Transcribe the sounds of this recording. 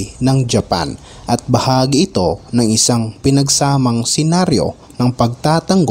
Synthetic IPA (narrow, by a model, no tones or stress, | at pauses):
nɐŋd͡ʒɐpa̰n | ʔɐt̪̚bɐhaːɡiɪt̪o̞nɐŋʔɪsaŋpɪnɐɡsaːmɐŋsɛnaɾjo̞̰ | nɐŋpɐɡ̚t̪aːt̪ɐŋɡ